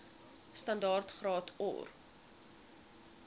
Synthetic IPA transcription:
stɐndɑːrtχrɑːtʰɔ̰ːr

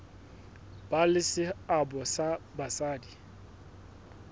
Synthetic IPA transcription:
b̥alɪsɪabɔsabasaːdi

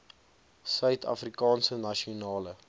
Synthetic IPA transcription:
sœɥtʰɐ̰frikɑːnsənɐʃionɑːlə

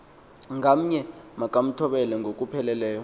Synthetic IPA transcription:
ŋam̩ɲɛmakʼam̩tʰɔɓɛlɛŋɡokʼupʰɛlɛlɛːjɔ

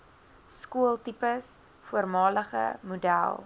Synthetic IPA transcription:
skuəlˠtipəs | fuərmɑːləχə̰mudæ̰lˠ

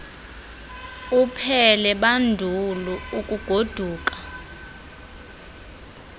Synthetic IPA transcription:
upʰɛlɛɓandʱuluukʼuɡ̥ʱod̥ʱuːk̬ʼḁ

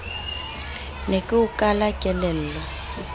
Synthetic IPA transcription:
nekʼiukʼalakʼɛlɛlɔ

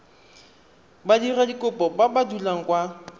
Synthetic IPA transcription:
badiradikʼʊpʼɔbabadulaŋ̩kʼwa

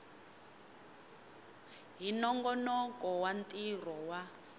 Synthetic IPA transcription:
ɦinɔŋɡɔnɔkʼɔwantʼir̤ɔwa

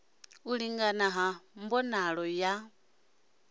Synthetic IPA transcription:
uliŋɡanaɦambɔnaɺɔja

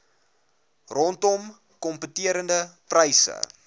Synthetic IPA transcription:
rɔntɔm | kɔmpətiəɾəndəprəjsə̰

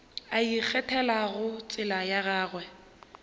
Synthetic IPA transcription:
aik͡xʰɛtʰɛlaɣʊt͡sʼɪlajaɣaːɣwɛ

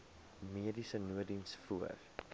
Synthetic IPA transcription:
miədisənuədinsfuər

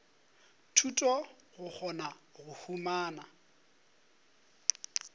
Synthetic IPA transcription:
tʰutʼɔ | ɣʊk͡xʰɔnaɣʊhumaːna

